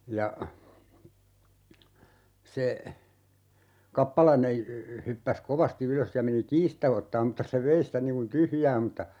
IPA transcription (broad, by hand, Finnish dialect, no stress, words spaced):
jɑ se kɑpːɑlɑine hypːæs koʋɑsti yløs jɑ meni kiːs stæ otːɑːm mŭtːɑ se ʋei sitæ niŋ kun tyhjæː m̩tːɑ